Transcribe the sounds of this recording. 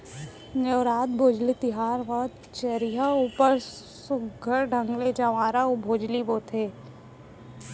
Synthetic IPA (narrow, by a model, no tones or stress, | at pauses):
neʋɾaːt̪̚bʱoːd͡ʒlit̪ɪɦaːɾʋət̪ | t͡ʃəɾiɦauːpəɾ | sʊɡɡʱəɾɖʱə̃ŋɡled͡ʒaʋaːɾaobʱoːd͡ʒliboːt̪ʰeː